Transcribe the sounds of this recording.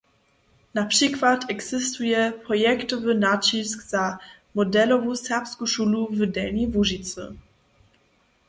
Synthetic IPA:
napʂikvatʰɛɡz̥ɪstujɛpɾɔjɛktɔvənat͡ɕiskza | mɔdɛlɔvusɛʁpskuʃuːluvədɛlɲɛvuʒit̪t͡sɨ̰

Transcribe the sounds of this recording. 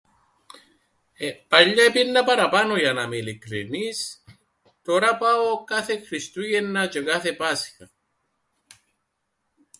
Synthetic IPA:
epaʎːaepinːapaɾapanojanamilikɾḭnis | t̪oɾapaokaθekɾist̪ujenːat͡ʃekaθepasxa

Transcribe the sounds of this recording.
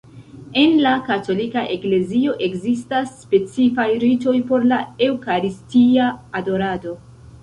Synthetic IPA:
e̞nlakato̞likaʔe̞kle̞zio̞ʔe̞kzistasːpe̞t͡sifajɾito̞jpo̞ɾlae̞wkaɾistiaːdo̞ɾado̞

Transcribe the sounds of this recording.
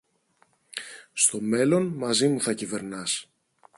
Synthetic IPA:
st̪o̞me̞lo̞nmɐzimuθɐcive̞ɾnɐs

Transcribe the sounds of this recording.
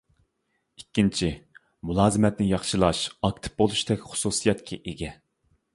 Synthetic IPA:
ikʲːint͡ʃʰi | mulˠɑːzɨmɛt̪nɪjɑχʃɨlˠɑʃɑk̚t̪ʰɨ̥p̚bolˠuʃt̪ɛkʲχʊ̥susijɛt̪kʲʰɛʔeɡʲɛ

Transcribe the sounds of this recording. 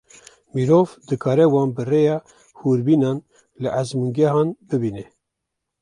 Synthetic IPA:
miɾoːvd̪ɨkʰɑːɾɛwɑːnbɨrejɑː | huːɾbiːnɑːn | lɨʔazmuŋɡɛɦɑːnbɨbiːnɛ

